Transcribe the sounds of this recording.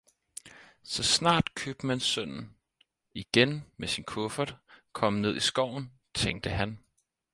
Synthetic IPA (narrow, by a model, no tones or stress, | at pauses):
sɒ̽snɑ̰̈ːd̥kʰøb̥̚d̥əmænsœn̰n̩ | iɡ̥enmesinkʰɔfɐd̥kʰɒ̽m̰əne̝ð̞̰ˠisɡ̥ɒʊ̰n̩ | t͡sʰeŋd̥əɦæn